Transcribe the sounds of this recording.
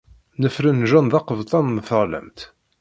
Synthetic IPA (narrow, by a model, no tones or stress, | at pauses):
nəfɾənʒɑnðɑqəvt̪ˤɑnmθəʁlə̰mt̪